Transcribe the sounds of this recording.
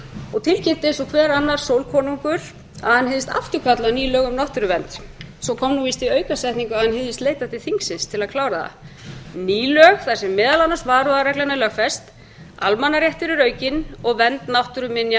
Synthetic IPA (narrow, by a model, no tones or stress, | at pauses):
ɔɣt̪ʰɪlcɪt̪ɪsɔkʰvɛːɾanːaɾ̥sowlkʰɔːnuŋkʏɾ̥ | aðhanheðɪst̪a̰ft̪ʏkʰat̪laniːlœːɣʏmnawht̪ʏɾʏvɛnt̪sɔkʰɔmnuvist̪iœːɥkasɛjht̪niŋkʏaðhanheðɪst̪leːjt̪at̪ɪ̥θiŋksɪnst̪ʰɪlaðkʰlaːwɾaða̰niːlœɣθḁsɛmːɪːðalanasvaːɾʏðaɾɛklanalœxfɛst̪ | a̰lmanːaɾjɛht̪ɪɾʏɾœːɥcɪnɔɣvɛnt̪nawht̪ʏɾʏmɪnja